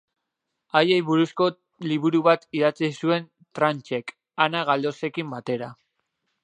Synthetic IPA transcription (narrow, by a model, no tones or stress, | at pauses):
aje̞jβuɾusko̞ | liβuɾuβat̪iðat͡sisue̞n | t̪ɾant͡ʃe̞k | anaɣald̪o̞se̞kimbat̪e̞ɾa